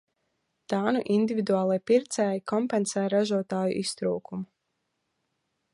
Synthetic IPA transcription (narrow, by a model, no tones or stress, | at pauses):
d̪̥aːnuʔind̪ivid̪uaːlˠijpiɾt̪sɛːjikʰɔmpɛnsɛːjɾaʒuɔt̪aːjṵʔist̪ɾuːkumu